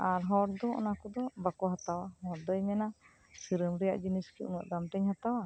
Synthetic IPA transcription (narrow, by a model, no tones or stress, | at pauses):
aɾɦɔɾd̪ɔɔ̰nakɔd̪ɔbakɔɦat̪awahɔɾd̪ɔjmɛna | siɾəmɾɛja̰ʔd͡ʒiniskiṵnɔ̰ʔd̪amʈɛɲhat̪awa